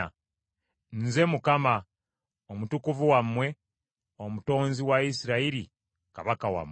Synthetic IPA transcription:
nze̞mukama | omutukuvuwamːwe̞ | omuto̞ːnziwaisiɾaiɾi | kaβakawa̰m

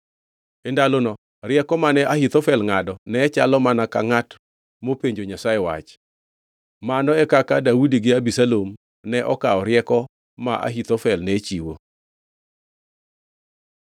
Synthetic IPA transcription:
endalonɔ | ɾɪɛkɔmanɛʔaɦit̪ofɛlŋadɔnɛːt͡ʃalɔmanaka̰ŋat | mopeɲd͡ʒoɲasaewa̰t͡ʃ | manɔɛkakadaudiɡɪabisalom | nɛʔɔkaɔɾɪɛkɔ | maʔa̰ɦit̪ofɛlnɛt͡ʃiwo̰

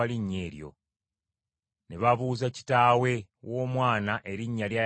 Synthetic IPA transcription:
aliɲːe̞ːɾjo̞̰ | ne̞βaβuːzaci̥taːwe̞wʔo̞ːmwaːnaʔe̞ɾiɲːalja

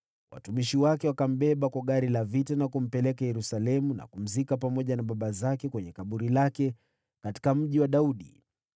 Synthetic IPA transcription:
wʔa̰tumiʃiwakɛwakam̩ɓɛɓakwaɠaɾilavitanakum̩pɛlɛkajɛɾusalɛmuna̰kum̩zikapamɔʄanaɓaɓazakɛkwɛɲɛkaɓuɾilakɛ | kati̥kam̩ʄiwaɗauɗḭ

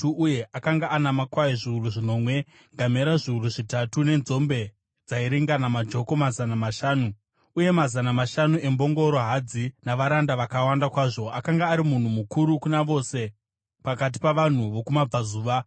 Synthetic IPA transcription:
uuje̞ʔakaŋɡaanamakwaiʐiuruʐino̞mwe̞ | ŋɡameɾaʐiuɾuʐitatune̞nzo̞mbe̞ | d͡zaiɾiŋɡanamad͡ʒo̞ko̞mazanamaʃaːnu | uje̞mazanamaʃanue̞mbo̞ŋɡo̞ɾo̞ɦad͡zinaʋaɾandaʋakawandakwaːʐo̞ʔakaŋɡaːɾimun̤umukuɾukunaʋo̞ːse̞ | pakat̬i̥paʋan̤uʋo̞kumab͡vazuːʋa

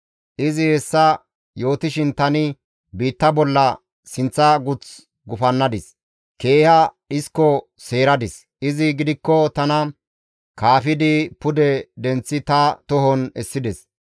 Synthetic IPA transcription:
ʔɪzɪhɛsːɐ | jo̞ːt̪ɪʃɪnt̪ɐnɪ | biːt̪ːɐbɔlːɐ | sɪnt͡sːɐɡʊt͡s | ɡʊfɐnːɐd̪ɪs | ke̞ːhɐɗɪskːɔ | se̞ːɾɐd̪ɪs | ʔɪzɪɡɪd̪ɪkːɔt̪ɐnɐ | kaːfɪd̪ɪpʊd̪ɛd̪ɛnt͡sːɪt̪ɐt̪ɔɦɔnɛsːɪd̪ɛs

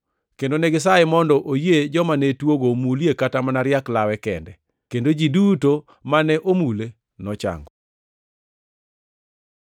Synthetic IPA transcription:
kendonɛɡɪs̬aɪmɔndɔʔojed͡ʒɔmanɛtwoɡomuljekatamanaɾjaklawɛkɛndɛ | kendod͡ʒiduto | manɛʔomule | nɔt͡ʃa̰ŋɡɔ

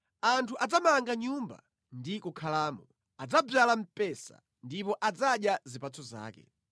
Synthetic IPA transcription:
antʰuʔad͡zamaŋɡaɲumba̰ | ndikukʰalaːmɔ | ad͡zabalam̩pɛsa̰ | ndipɔʔad͡zaɗjazipat͡sʰɔza̰ːkɛ̰

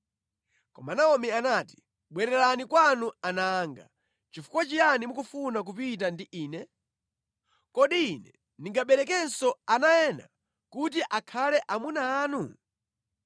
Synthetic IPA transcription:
kɔmanaɔmianati̥ | ɓwɛɾɛlanikwanuanaːŋɡa̰ | t͡ʃifu̥kwat͡ʃijanimukufunak̬upit̬andiʔiːnɛ | kɔɗiːnɛ | niŋɡaɓɛɾɛkɛnsɔanajɛna̰ | kut̬iʔakʰalɛʔamunaːnu

